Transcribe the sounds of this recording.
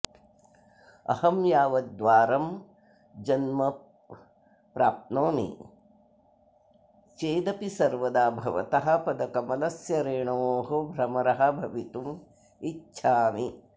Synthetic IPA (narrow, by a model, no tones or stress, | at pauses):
ɐ̰hɐmjaːʋɐd̪ʋaːɾɐm | d͡ʒɐnmɐ | pɾaːp̚t̪noːmḭ | t͡ʃeːd̪ɐpisɐɾʋɐd̪aːbʱɐʋɐ̰t̪ɐɦɐ̆pɐd̪ɐkɐmɐlɐsjɐɾeːɳɐoːɦobʱɾɐmɐɾɐɦɐ̆bʱɐʋit̪um | itːʃʰaːmi